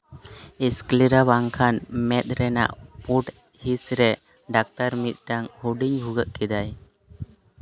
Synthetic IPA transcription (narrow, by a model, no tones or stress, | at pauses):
iskliɾabaŋkʰanmɛt̪̚ˀɾɛna̰ʔpuʈ | hisɾɛ | ɖak̚t̪aɾmit̪̚ˀʈaŋhuɖiɲbʱuɡəʔkɛd̪aj